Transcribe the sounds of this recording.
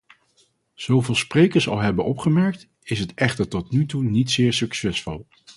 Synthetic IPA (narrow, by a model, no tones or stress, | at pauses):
z̥owvɪːlˠsprejkəɹsɑ̰lˠɦɛbənʔɔpχəmɛɹk̚t | ɪsɦətɛχtəɹtɔtnytunitsɪːɹsyksɛsfʊ̰lˠ